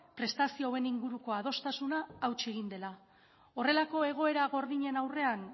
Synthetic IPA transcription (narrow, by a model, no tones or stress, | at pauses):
pɾe̞st̪asioβe̞niŋɡuɾuko̞að̞o̞st̪asunaːwt͡ʃieɣ̞ind̪e̞la | o̞re̞lako̞e̞ɣ̞o̞e̞ɾaɣo̞ɾðiɲe̞nawre̞an